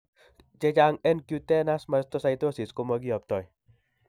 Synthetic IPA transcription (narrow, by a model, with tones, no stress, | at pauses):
t͡ʃɛ˧t͡ʃaŋɛ˦nkjut̪ɛ˦na˦sma˧st̪osajt̪o˦si˨skomɔ˧ɡi˦ɔ˨p̚t̪ɔ˨j